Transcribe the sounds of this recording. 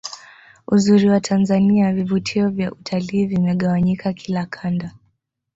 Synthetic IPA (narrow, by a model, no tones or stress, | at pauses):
uzuɾiwatʰanzaniavivutʰiɔvjaʔutʰaliːvimɛɠawaɲikakʰilakʰanda